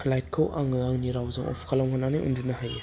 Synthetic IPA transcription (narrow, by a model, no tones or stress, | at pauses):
lajt̚kʰowʔaŋɯaŋniɾawzɯŋɔ̰pʰkʰalɔwŋʰananɯɯ̰ndɯnaɦaj